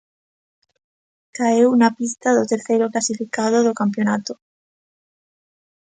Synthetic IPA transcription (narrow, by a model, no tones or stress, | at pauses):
kaewunapist̪aðot̪eɾθejɾoklasifikað̞oðokamp̬jonat̪o